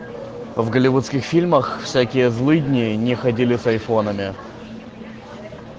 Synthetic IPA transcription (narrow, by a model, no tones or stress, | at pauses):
vɡəlʲɪvut̪skʲɪxfʲilʲməxfsʲækʲɪjəzlˠɨdʲnʲɪjənʲɪxɐdʲilʲɪsɐjfo̞nəmʲɪ